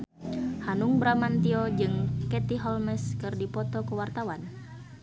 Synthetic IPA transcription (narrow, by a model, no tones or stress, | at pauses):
hanuŋbɾamant̪iod͡ʒɨŋkɛt̪iɦɔlmɛskɨrdipɔt̪ɔkəwart̪awan